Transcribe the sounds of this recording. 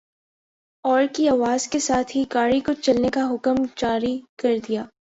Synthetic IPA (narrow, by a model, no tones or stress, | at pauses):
ɔːɾkiaːʋaːzkesaːt̪ʰɦiɡaːɽikot͡ʃɐlnekaɦʊkəmd͡ʒaːɾikɐɾd̪ijaː